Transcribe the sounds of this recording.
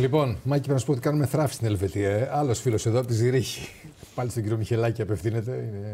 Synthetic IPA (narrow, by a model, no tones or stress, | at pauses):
lipo̞nmɐciɾnɐsupot̪ikɐnumeθɾɐfi̥st̪ine̞lve̞t̪iɐeʔɐlo̞sfilo̞seðoɐpot̪iziɾiçi̥pɐlist̪oɟiɾioniçe̞lɐciɐpefθine̞t̪e̞ine